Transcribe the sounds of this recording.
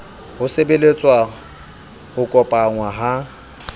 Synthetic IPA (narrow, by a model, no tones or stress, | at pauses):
hʊsebelet͡sʼwa | ʊkʼɔpʼaŋwaɦa